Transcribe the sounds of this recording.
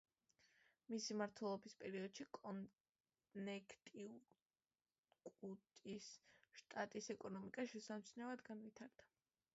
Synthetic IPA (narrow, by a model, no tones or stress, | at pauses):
misimaɾt̪ʰwɛlˠɔbispʼɛɾiɔd̪̥ʃikʼɔn | nɛkʰt̪ʼi | kʼut̪ʼisʃt̪ʼat̪ʼisɛkʼɔnɔmikʼaʃɛsamt̪sʰnɛvad̪ɡanvit̪ʰaɾd̪a